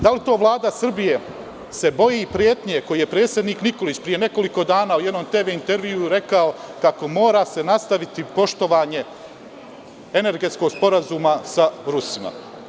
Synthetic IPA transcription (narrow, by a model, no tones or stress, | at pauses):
d̪alit̪o̞ːʋlˠaːd̪asr̩bije̞ | se̞bo̞jipɾjeːt̪ɲeko̞jijepɾe̞ːt̪sje̞d̪niːkniko̞lit͡ɕpɾije̞ne̞ko̞liko̞d̪aːnaːujd̪nomt̪e̞ːʋe̞int̪e̞ɾʋiuɾe̞kao̞kako̞mo̞ːɾase̞nast̪aʋit̪ipo̞ʃt̪o̞ʋaːɲe̞ | e̞ne̞ɾɡe̞t̪sko̞ɡspo̞ɾazuːmasaɾusima̰